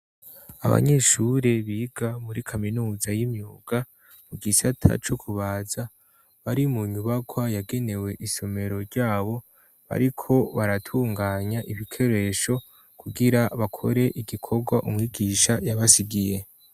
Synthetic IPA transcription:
a̰βa̰ɲe̞ʃuɾe̞βiːɡamuɾikʰaminuːzajimɲuːɡ̥a | muɡisatʰa̰t͡ʃo̞kʰuβaːza | βaɾimuɲuβaɡwajaɡe̞ne̞we̞ʔiso̞me̞ɾo̞ɾɟaːβo̞ | βa̰ɾikʰo̞βaɾatʰuːŋɡaːɲaʔiβikʰe̞ɾe̞ʃo̞ | kʰuɡiɾaβakʰo̞ɾe̞ʔiɡikʰo̞ɡwaʔumŋiːɡiːʃajaβasiɡije̞

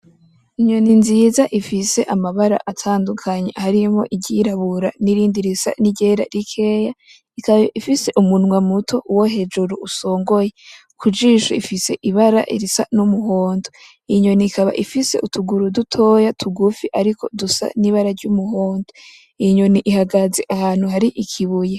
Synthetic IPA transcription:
iɲo̞ninzizaʔifise̞ʔamaβaɾa̰ʔatʰaːndukʰaɲḛhaɾimho̞̰ʔiɟiɾaβuɾaniɾiːndiɾisa̰niɟe̞ɾa̰ɾikʰe̞ːja | ikaβaʔifise̞ʔumunŋwamutʰo̞ʔuwoɦe̞d͡ʒuɾuuso̞ːŋɡo̞je | kʰud͡ʒiːʃuifise̞̰ʔiβaɾa̰ʔḭɾisa̰numuɦoːndo | iɲo̞niːkaβa̰ʔifise̞̰ʔutʰuɡuɾudutʰo̞ːjatʰuɡufiʔaɾikʰo̞̰dusa̰niβaɾaɾɟumuho̞ːndo | iɲo̞niʔihaɡaze̞ʔahaːn̥huɦaɾiʔikʰiβuje

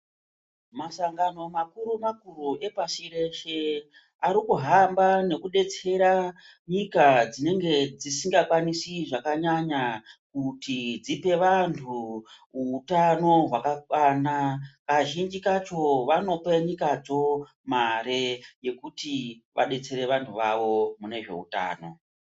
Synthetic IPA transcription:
masaŋɡano̞makuɾumakuɾuʔe̞pasiɾe̞ʃe | aɾikuɦambane̞kuɗe̞t͡se̞ɾa | ɲikad͡zine̞ŋɡe̞d͡zisiŋɡakwanisiʐakaɲaɲakutid͡zipe̞ʋantʰu | uːtano̞ɦwakakwanakaʒind͡ʒikat͡ʃo̞ʋano̞peɲikad͡zo̞ | maɾe̞je̞kutiʋa̰ɗe̞t͡se̞ɾe̞ʋantʰuʋaʋo̞mune̞ʐe̞̰ṵta̰ːno̞̰

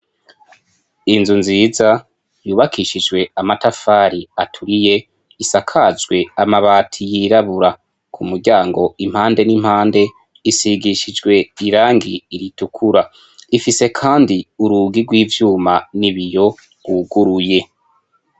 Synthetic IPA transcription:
inzunziːza | juːβakʰiʃid͡ʒwe̞amatafaːɾiatʰuɾije̞ | isakʰazɡwe̞amaβaːtʰijiɾaβuɾa | kʰumuɾɟaːŋɡo̞im̥haːnde̞nim̥haːnde̞ | isiɡiʃid͡ʒɡwe̞iɾaːŋɡiːɾitukʰuɾa | ifise̞kʰaːndiuɾuɡiɡwiːvjuːmaniβijo̞ | uɡuɾuje̞

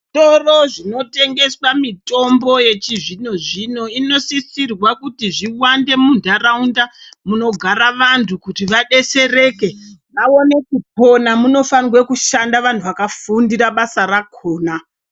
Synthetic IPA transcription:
to̞roʐino̞te̞ŋɡe̞swamito̞mbo̞je̞t͡ʃiʐino̞ʐino̞ino̞sisirwakutiʐiwande̞mundʱaraundamuno̞ɡʱaɾaʋantʰukutiʋaɗe̞se̞re̞ke̞ʋao̞ne̞kup̚o̞namuno̞fanwe̞kuʃandaʋantʰuʋakafundiɾaɓasaɾakʰoːna

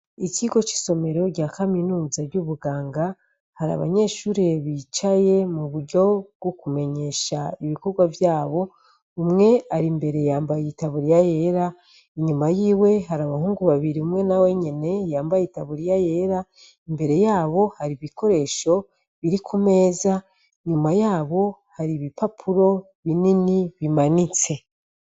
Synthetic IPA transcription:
iciɡo̞t͡ʃi̥so̞me̞ɾo̞ɾɟaːkaminuːzaɾɟuβuɡaːŋɡa | haɾa̰βa̰ɲe̞ːʃuːɾeβit͡ʃaje̞muβuɾɟo̞bɡokume̞ɲe̞ʃaiβiko̞ɾɡwavjaːβo̞ | umŋe̞aɾimbe̞ɾe̞jaːmbajitaβuɾijaje̞ɾa | iɲumajiːwe̞ɦaɾaβahuːŋɡuβaβiɾiumŋe̞nawe̞ɲene̞jaːmbajeitaβuɾijaje̞ɾa | imbe̞ɾe̞jaːβo̞haɾiβiko̞ɾe̞ːʃo̞ | βiɾikʰume̞ːza | ɲumajaːβo̞haɾiβipapʰuɾo̞ | βininiβimanit͡se̞

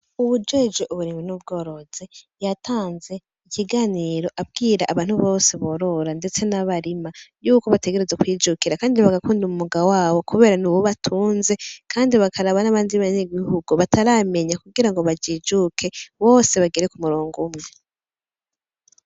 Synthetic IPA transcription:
uβud͡ʒed͡ʒoʔuβuɾiːminub̚ɡo̞ːɾo̞z̥e | jatʰaːnze̞ | iciɡaːniɾo̞ʔab̚ɡiːɾaʔːβaːn̥huβo̞se̞βo̞ːɾo̞ɾande̞t͡se̞naβaɾimajuːko̞βate̞ɡe̞ɾezakwiːd͡ʒukiɾakaːndiβaɡakuːndumumuɡawaːβo̞kuβe̞ːɾanuwoβatʰuːnze̞kʰaːndiβakʰaɾaβanaβaːndiβaɲeɡihuɡuβataɾame̞ɲakuɡiɾaŋɡo̞βad͡ʒiːd͡ʒukʰe̞βo̞ːse̞βaɡeɾekumuɾoːŋɡumŋe

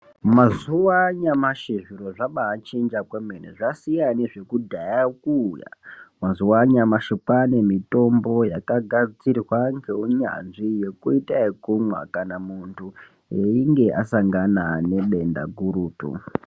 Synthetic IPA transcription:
mazuwaɲamaʃeʐiɾo̞ʐaɓaːt͡ʃend͡ʒakwemeneʐasijane̞ʐe̞kudʱajakuːja̰mazuwaɲamaʃipane̞mito̞mbo̞jakaɡʱad͡zt͡sirwaŋɡeɦuɲa̰nʐije̞kuitaikumwa̰kanamuntʰu | eiŋɡe̞ʔasaŋɡanane̞ɓe̞nda̰ɡʱuɾuːtṵ

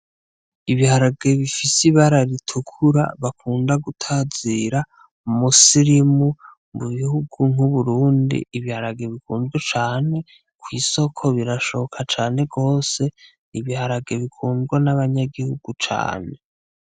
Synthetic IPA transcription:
iβihaɾaɡe̞βifisiβaɾaɾitʰukʰuɾa̰βakʰuːndaɡutʰaziɾa | musiɾimu | mbuβihuɡuŋ̥uβuɾuːndḭːβihaɾaɡe̞βikuːnɡwet͡ʃaːne̞ | kwiːso̞kʰo̞βiɾaʃo̞kʰat͡ʃaːne̞ɡo̞ːse̞ | niβihaɾaɡe̞βikʰuːnɡwanaβaɲaɡihuɡ̥ut͡ʃa̰ːne̞

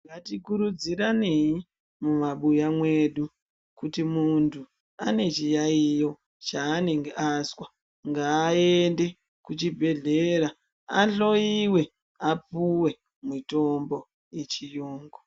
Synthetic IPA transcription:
ŋɡatikuɾud͡ziɾane̞ji | mumaɓujamwe̞ɗu | kutimuntʰu | ane̞t͡ʃijaijo̞ | t͡ʃaːne̞ŋɡeʔaswa | ŋɡaːende̞ | kut͡ʃibʱe̞ɮe̞ɾa | aɬo̞iwe̞ | apuwe̞ | mito̞mbo̞ | je̞t͡ʃijoːŋɡo

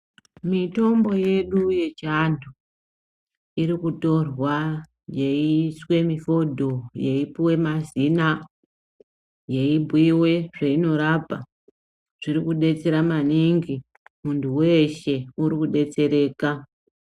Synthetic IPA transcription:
mito̞mbo̞je̞ɗuje̞t͡ʃandʰu | iɾikuto̞rwa | je̞iiswe̞mifo̞dʱo̞je̞ipiwe̞mazina | je̞ibʱwiwe̞ʐ̥aino̞ɾapa | ʐ̥iɾikuɗe̞t͡se̞ɾamaniŋɡi | muntʰuwe̞ʃe̞uɾikuɗe̞t͡se̞ɾe̞ːka

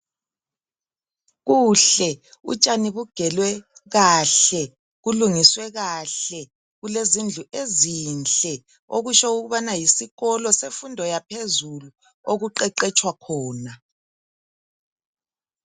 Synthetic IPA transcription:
ɣuɬɛṵt͡ʃʼaniβuɡ̥ʱɛlwɛɣaɬɛ | ɣuluŋiswɛɣaɬɛ | ɣulezind͡ɮʱuʔezint͡ɬʼɛ | oɣut͡ʃɔuɣuβanajisiɣɔlɔsefundʱɔjapʰezulu | oɣuǃɛǃɛt͡ʃʼwakʰɔːna

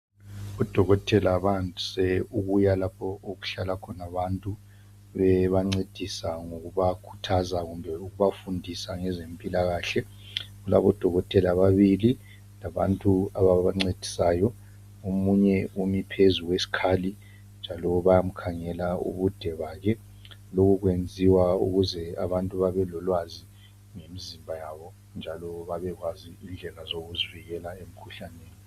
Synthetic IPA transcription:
ud̥ʱɔɣɔtʰʼɛlaβantʼu̥sɛuɣujalapʰɔoɣuɬalakʰɔnaβantʼu | βɛβaŋ͡ǀed̥ʱisaŋoɣuβakʰu̥tʰazaɣumbʱɛuɣuβafundʱisaŋɛzempʼilaɣaːɬɛ | ɣula̰βɔd̥ʱɔɣɔtʰʼɛlaβaβili | laβa̰ntʼuaβaβaŋ͡ǀed̥ʱi̥sajɔ | omuɲɛumipʰezuɣwesi̥kʰaːli | nd͡ʒʱalɔβajam̩kʰaŋɛlaṵβud̥ʱɛβaɣɛ | loɣuɣwend͡zʱiwaṵɣuzɛa̰βantʼuβaβɛlɔlwazi | ŋemizimbʱajaβɔ | nd͡ʒʱalɔβaβɛɣwaziːnd͡ɮʱɛlazoɣuziviɣɛlaem̩kʰuɬaneːni

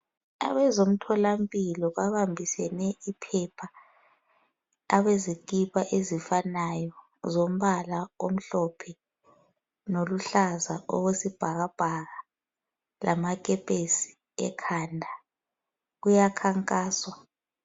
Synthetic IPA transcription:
a̰βɛzom̩tʰɔlampʼilɔβaβambʱisɛnɛipʰɛpʰa | aβezikʼipaʔezifanajɔ | zom̩βalao̰m̩ɬɔpʰɛ | noluɬazaʔɔ̰ɣwesib̥ʱaɣab̥ʱaɣa | lamak̬ʼɛpʼesi̥ | ɛ̰kʰaːndʱa | ɣujakʰaŋkʼaːswa

